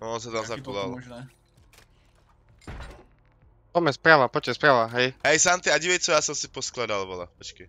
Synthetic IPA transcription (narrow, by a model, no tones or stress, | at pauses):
ɔs̬at̪amzakɔlal | tɔmɛspɾaːʋapɔt͡ʃkɛspɾaːʋaɦɛjɦɛjsamt̪iaɟiʋɛjt͡sɔjasɔmsipɔsklad̪alˠbɔla̰pɔt͡ʃkɛ